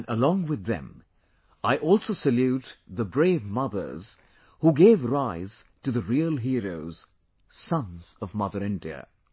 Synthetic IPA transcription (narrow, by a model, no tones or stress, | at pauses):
nʔəlɔ̃ŋwɨðɨ̰̃m | aɪʔɔlˠsoʊsɨljʉt̪ðəbɹeɪvmʌðə̰˞z̥ | huɡeɪvɹaɪz̥tʰɨðɨɹilˠɦiɹoʊz̥ | sʌ̃nz̥ʌvmʌðə˞ɪ̃ndiɨ̰